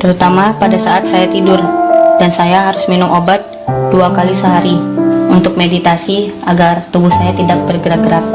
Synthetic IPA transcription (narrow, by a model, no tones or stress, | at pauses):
t̪əɾut̪amapadasaʔat̪̚sajat̪idʊrd̥ansajaɦaɾʊsminʊmʔobat̪̚ | duakalisəɦaɾiunt̪ʊk̚medit̪asiaɡart̪ubʊhsajat̪idak̚bərɡəɾaɡəɾap̚